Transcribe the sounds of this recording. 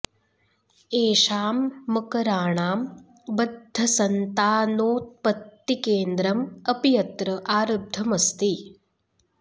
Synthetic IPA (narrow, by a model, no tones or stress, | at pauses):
eːʃaːmːɐkɐɾaːɳaːm | bɐd̪ʱːɐsɐnt̪aːnoːt̪̚pɐt̪ːikeːnd̪ɾɐmɐpijɐt̪ɾɐʔaːɾɐd̪ʱɐmɐst̪i